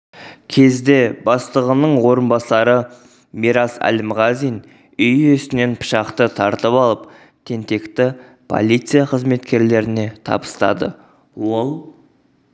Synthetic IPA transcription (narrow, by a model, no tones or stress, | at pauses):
kʲʰe̞zd̪e̞bɑst̪əʁənəɴwo̞ɾənbɑsɑɾə | miɾɑsæ̰lɪmʁɑzijn | ʏjʏst̪ɪne̞npʰʊ̥ʃɑqt̪ət̪ʰɑɾt̪əpɑlˠəp | t̪ʰe̞nt̪e̞kt̪ɪ | pʰo̞̰lʲˠijt̪sɨjaqʰəzme̞t̪kʲe̞ɾle̞ɾɪne̞t̪ʰɑ̰bə̥st̪ɑ̰d̪ə̰ | wo̞lˠ